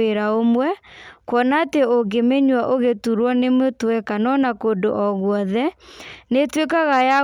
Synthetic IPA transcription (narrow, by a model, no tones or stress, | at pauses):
eɾaomwɛkwɔnateoɡemeɲwaʔoɣetuɾwɔnemotwɛkanɔnakondoʔɔɣwɔðɛnetwekaɣaja